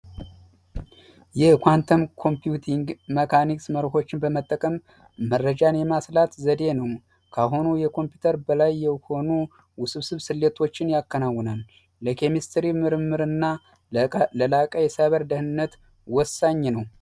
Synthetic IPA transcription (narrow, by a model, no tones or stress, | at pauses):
jɛkʷant̪ʰəmkʰo̞mpijut̪ʰiŋɡməkʰaniksməɾho̞t͡ʃːɪnbəmət̪ʼːəkʼəmː | ərːəd͡ʒanjɛmaslat̪zəd̪e̞nəw | kʰaɦonujɛkʰo̞mpjut̪ʰəɾbəlajːɛho̞nu | wʊsɨβsɨβsɨlːet̪ʰo̞t͡ʃːɪnjakːənawːɔnəm | ləkʰe̞mist̪ɾimɨɾɨmːɨɾɨnːa | ləlakʼajɛsaβəɾd̪əhɨnːət̪ | wɔsːaɲːnəw